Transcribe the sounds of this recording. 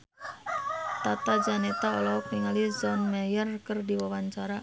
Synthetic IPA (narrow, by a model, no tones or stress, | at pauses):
t̪at̪ad͡ʒanɛt̪aɔlɔk̚niŋalizɔnmɛjərkərdiwawaɲt͡ʃaɾa